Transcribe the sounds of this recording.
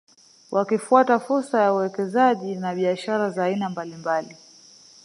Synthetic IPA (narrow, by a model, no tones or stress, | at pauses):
wʔakifuatafuɾsajauwɛkɛzaʄinaɓiaʃaɾazaːinambalimbali